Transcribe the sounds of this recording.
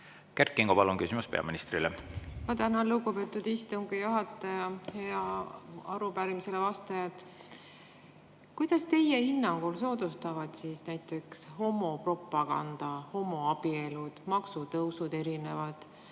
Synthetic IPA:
kerkːˑiŋɡ̥opɑlunkysimuspe̞ɑ̰minist̪ɾilemɑt̪ænɑluɡupe̞ːt̪ːˑud̪ist̪uŋɡ̥ijuɦɑt̪ːˑɑjɑhe̞ɑɑɾupæɾimise̞levɑst̪ɑjɑt̪ | kujd̪̥ɑst̪e̞je̞hinːɑŋɡ̥ulso̞ːd̪ust̪ɑvɑd̪̥siːsnæjt̪ˑːe̞ksho̞mːo̞pro̞pːˑɑɡ̥ɑ̰nd̪̥ɑho̞mːo̞ɑb̥ie̞lud̪̥mɑksut̪ɤwsud̪e̞ɾine̞vɑd̪̥

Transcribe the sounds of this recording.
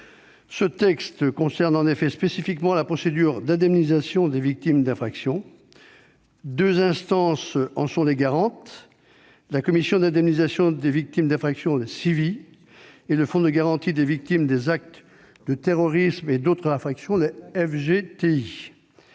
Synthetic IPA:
sət̪ɛkst̪kɔ̃sɛʁnɑ̃nefɛspesifikmɑ̃lapχɔsed̪yʁd̪ɛ̃d̪ɛmnizasjɔ̃d̪evik̚t̪imd̪ɛ̃fχaksjɔ̃ | d̪øzɛ̃st̪ɑ̃sɑ̃sɔ̃leɡaʁɑ̃t̪ | lakɔmisjɔ̃d̪ɛ̃d̪ɛmnizasjɔ̃d̪evik̚t̪imd̪ɛ̃fχaksjɔ̃d̪esivi | eləfɔ̃d̪əɡaʁɑ̃t̪id̪evik̚t̪imd̪ezak̚t̪ | d̪ət̪eʁɔʁismed̪ot̪χɛ̃fχaksjɔ̃d̪eɛfʒet̪ei

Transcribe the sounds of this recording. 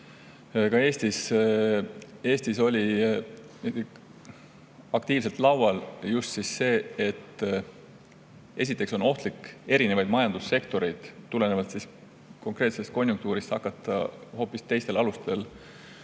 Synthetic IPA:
kɑe̞ːst̪is | e̞ːst̪iso̞lʲi | ɑkt̪iːvselt̪lɑwwɑljust̪sisse̞ːet̪ː | e̞sit̪ːˑe̞kso̞no̞ht̪likːe̞ɾine̞vɑjd̪mɑjɑnd̪̥usːe̞kt̪o̞ɾe̞jd̪̥t̪ːule̞ne̞vɑt̪sis | ko̞ŋkre̞t̪se̞st̪̚ko̞nʲjuŋk̚t̪uːɾist̪hɑkːˑɑt̪ːˑɑ̰ho̞ːpːˑist̪e̞jst̪elɑlust̪e̞l

